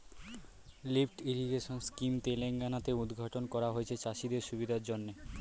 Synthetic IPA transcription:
lifʈiɾiɡeʃonskimt̪eleŋɡanat̪eud̪ɡʱaʈonkɔɾaɦoet͡ɕʰet͡ɕaʃid̪eɾʃubid̪ʱaɾd͡ʑonːe

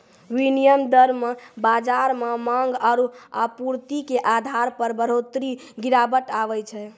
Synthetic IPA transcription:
winijəmd̪əɾmebad͡ʒaɾmemaŋɡaɾua̰puɾt̪ikeʔad̪ʱaɾpəɾbəɾot̪ɾiɡiɾabəʈaβɛt͡ʃʰɛ

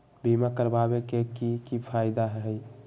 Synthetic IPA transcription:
bimakəɾbabekekikipʰajd̪aɦɦəj

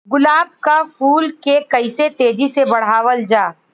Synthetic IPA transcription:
ɡʊlaːb̚kafuːlkekɐɪset̪eːd͡ʒisebɐɽ̤aːʋəld͡ʒaː

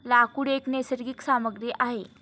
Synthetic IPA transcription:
lakuɽeknesəɾɡiːksaməɡɾiʔaɦe

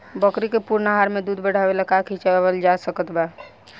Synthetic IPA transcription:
bəkɾikepuɾnaɦaɾmed̪ud̪ʱbəɽ̤abelakakʰit͡ʃabəld͡ʒasəkət̪ba

